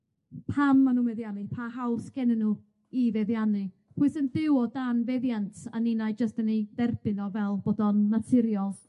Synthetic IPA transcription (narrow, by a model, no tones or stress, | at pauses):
pʰamːanuːmɛðjanɨpʰahawsɡ̥ɛnənu | ivɛðjanɨ | pʰuɨsəndɪwɔdanvɛðjantʰaninajd͡ʒəstəniðɛrb̥ɨnɔvɛlˠbodɔnːatʰɪɾjɔlˠ